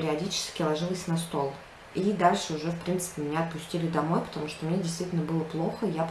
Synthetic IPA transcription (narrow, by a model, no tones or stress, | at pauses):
ɾʲɪɐdʲit͡ɕɪ̥skʲɪlˠɐʐɨlˠəsʲnɐst̪o̞lˠ | id̪alʲʂɨʊʐɛfpɾʲint̪sɨ̥pʲɪmʲɪnʲaɐt̪̚pʊsʲtʲilʲɪd̪ɐmo̞jpə̥t̪ɐmuʂt̪omnʲedʲɪst̪vʲitʲɪlʲnəbɨlˠəplˠo̞xəjap